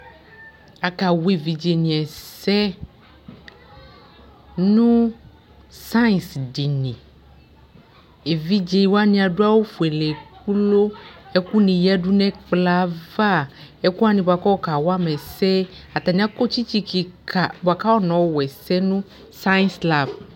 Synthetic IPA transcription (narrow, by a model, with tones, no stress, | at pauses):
a˨ka˨we˨vi˨d͡ʒe˨nĩ˨ɛ˨sɛ˦ | nũ˦ | sa˦˨sɖi˨nĩ˨ | e˨vi˦d͡ʒe˨wo˦a˦nĩ˨a˨ɖu˦a˦wo˦fu˨e˨lɛ˨k̚u˦lo˦e˦ku˦nĩ˨ja˦ɖu˦nɛ̃˦k͡pla˦va˦e˦ku˦a˦nĩ˨bo˨a˨kɔ˦wɔ˦ka˨wa˦mɛ˨sɛ˦a˨t̪a˨nĩ˦a˦ko˦t͡ɕi˦t͡ɕi˦ki˨ka˨bo˨a˨ka˦wɔ˦nɔ̃˨wo˦wɛ˨sɛ˦nũ˦ | sa˦jnsla˨v